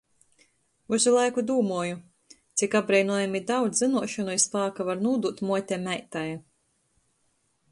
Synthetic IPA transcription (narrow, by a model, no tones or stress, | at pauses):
uzulˠajkud̪uːmuɔju | t̪sikab̚ɡɾɛjnuɔjamid̪awd̪zzɨnuɔʃɔnuispaːkavaɾnuːd̪ut̪muɔt̪ʲɛmæjt̪aj